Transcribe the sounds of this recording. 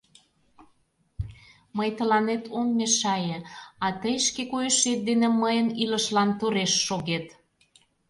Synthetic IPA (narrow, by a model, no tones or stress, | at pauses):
məjt̪əlɑnet̪ʰomːeʃɑjĕɑt̪əjʃkekujeʃet̪̚d̪eneməjəniləʃlɑnt̪uɾeʃːoɣet̪